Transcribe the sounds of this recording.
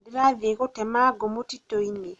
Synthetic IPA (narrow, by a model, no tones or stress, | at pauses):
diɾaðekotɛmaɡomotitːoine